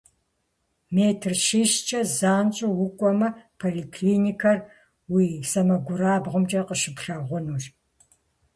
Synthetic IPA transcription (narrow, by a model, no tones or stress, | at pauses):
meːtʰrʃiːɕt͡ʃʼɐzaːnt͡ʃʼɐwʊkʷʼɔmɐpʰoːlikʰliːnikʰɐr | wiːsɐmɐɡʷʊɾaːbʁəmt͡ʃʼɐqəʃɨpɬɐʁʷʊnuːʒ